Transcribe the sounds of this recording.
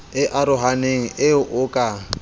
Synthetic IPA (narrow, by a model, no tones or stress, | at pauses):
ɪʔaɾʊɦaneŋ̩ʔɪʔʊkʼa